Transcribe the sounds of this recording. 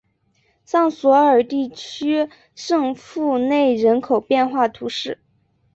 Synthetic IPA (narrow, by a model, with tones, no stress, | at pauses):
sɑ˥˩ŋswɔ˧˥ə˞˨˩t̪i˥˩t͡ɕʰy˥ | ʂɤ˥˧ŋfu˥˧ne˥˩ɪɻə˧˥nkʰo˨˩ʊpjɛ˥˧nxwa˥˩t̪ʰu˧˥ʂɻ̩˥˩